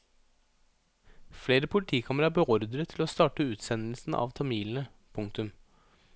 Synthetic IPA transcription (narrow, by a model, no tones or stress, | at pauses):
fleːɾəpʰʊlɪt̪ʰiːkʰɑməɾɑbəɔɾd̪ɾət̪ʰːɪloːst̪ɑːʈəʉːt̪sɛnl̩sn̩ɑ̰ʋt̪ʰɑmiːln̩ə | pʰʊŋk̚t̪ʉm